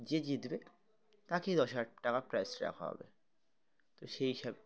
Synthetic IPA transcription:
d͡ʑed͡ʑit̪be | t̪aked̪ɔʃaʈʈakapɾajsɾɛ̰kʰɦɔ̰bḛ | t̪oʃeiʃab

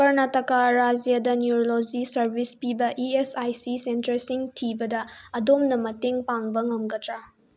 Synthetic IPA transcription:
kɐɾnɐtɐkaɾad͡ʒijadɐnjuɾolod͡ʒisɐɾbʱispibɐʔiesajsisentɐɾsiŋtʰibɐdɐɐdomnɐmɐteŋpaŋbɐŋɐmɡɐtɾa

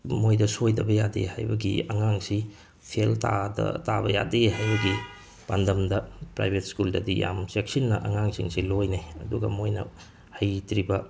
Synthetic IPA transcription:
mojdɐsojdɐbɐjadḛha̰jbɐɡḭɐŋaŋsi | pʰeltadɐ̰tabɐja̰dehajbɐɡi | pandɐmdɐpɾa̰jbʱetskuldɐdija̰msek̚sinːɐʔɐŋaŋsiŋsilojneɐduɡɐ̰mojnɐ̰ | hɐjtɾibɐ

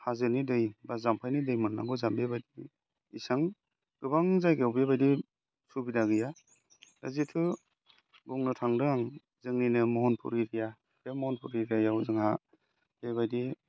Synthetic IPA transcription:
hazɯnidɯjbazampʰajnidɯjmɯnːa̰ɡɔzambebajdi | isaŋ | ɡ̥ɯbaŋzajɡewbebajdi | subidaɡɯja | da̰zitʰɯ | buŋnɯtʰaŋdɯaŋ | zɯŋninɯmɔɦɔnpʰṵɾiɾija | kemɔhɔnpʰuɾiɾajawzɯŋha | b̥eβajdi

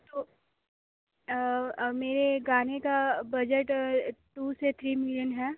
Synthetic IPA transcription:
t̪oː | meːɾeɡaːnekabɐd͡ʒəʈʈuːset̪ʰɾiːmɪlijənɦɛː

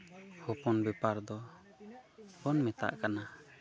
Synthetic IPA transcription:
hɔpɔnbɛpaɾd̪ɔ | hɔnmɛt̪a̰ʔkana

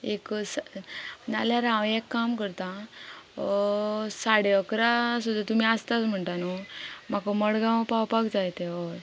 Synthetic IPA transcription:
eks | naljaɾãwekːamkəɾt̪ã | saɽeəkɾasud̪ʱːat̪umiːast̪at͡sm̤əɳʈ̪anomakoməɽɡãwpawpaɡd͡zajt̪eʋɔɾ

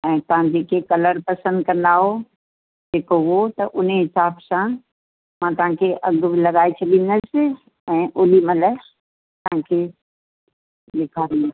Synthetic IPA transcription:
ɛ̃ːt̪ɐʋ̤ãd͡ʑeːkʰekɐləɾpɐsə̃nd̪kɐ̃nd̪aɦo | d͡ʑeːkoot̪ɐʔʊn̤ɦɪsaːbsã | mãːt̪ɐʋ̤ãkʰeʔɐɡbɪlɐɠaːet͡ɕʰɐɗĩnd̪əsɪ̆ | ɛ̃ːʔoːlimɐlɛ | t̪ɐɦãkʰe | ɗekʰaːɾi

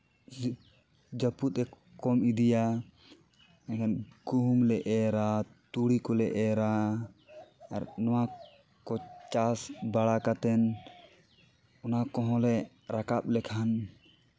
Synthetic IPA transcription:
d͡ʒaput̪̚ɛ | kɔmid̪ija | ɛkʰanɡuɦumlɛʔɛɾat̪uɽikɔlɛʔɛɾa | ɾnɔwa | kɔt͡ʃasbaɽakat̪ɛn | ɔnakɔɦɔ̃lɛ | ɾakap̚lɛkʰan

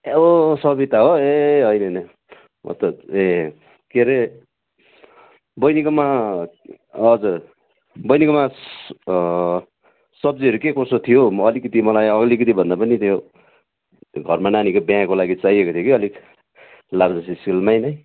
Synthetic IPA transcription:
eosʌbit̪aɦoeɦʌjnʌnʌ | mʔʌ̰t̪ʌe | keɾe | bʌjnikʌma | ʌd͡zu | bʌjnikʌma | sʌb̚d͡ziʌɾukekosot̪ʰijoʌlikʌt̪imʌlajʌlik̬ʌt̪̬ibʱʌnd̪apʌnit̪ʰijo | ɡʱʌrmananikobjãkolaɡit͡saiekot̪ʰijokiʌlik | labd͡zʌsiskilmajnʌj

